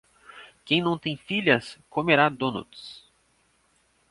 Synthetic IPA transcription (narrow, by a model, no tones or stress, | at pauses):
kẽj̃nɐ̃w̃t̪ẽj̃fiʎʲɐskomeɾad̪õnṵt̪s